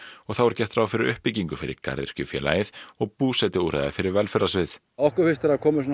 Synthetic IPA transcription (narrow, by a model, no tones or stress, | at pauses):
ɔɣθawɛɾ̥cɛht̪ɾawfɪɾɪɾʏhpɪciŋkʏfɪɾɪ̰ɾka̰ɾðɪ̰ɾ̥cʏfjɛ̰ːla̰jɪθɔɣpuːsɛt̪ɪuːɾa̰ðɪfɪɾɪɾvɛlfɛɾasvɪθ | ɔhkʏɾfɪst̪ɛɾakʰɔːmɪsɔn